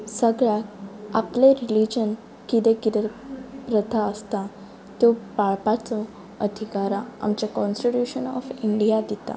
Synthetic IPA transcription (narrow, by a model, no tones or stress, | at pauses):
səɡɭjakapleɾilid͡ʑən | kit̪ekid̪əɾpɾət̪aəst̪a | t̪opaɭpat͡sɔ | əd̪ʱikaɾaa̰mt͡ɕakɔnsʈiʈjuɕənɔ̰fiɳɖijad̪it̪a̰